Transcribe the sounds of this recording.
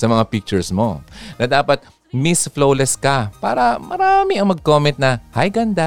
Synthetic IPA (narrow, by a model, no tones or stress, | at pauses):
sɐmɐŋapik̚t͡ʃʊɹsmo̞nɐd̪aːpɐt̪̚ | misflowlɛskɐpaːɾɐmɐɾaːmɪɐŋmɐɡ̚koːmɛnt̪̚nɐhɐjɡɐnd̪a